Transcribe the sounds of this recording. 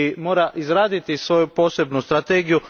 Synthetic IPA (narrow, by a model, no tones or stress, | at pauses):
imo̞ːɾaʔizɾaːd̪it̪isʋo̞jupo̞ːse̞bnust̪ɾat̪eːɡiju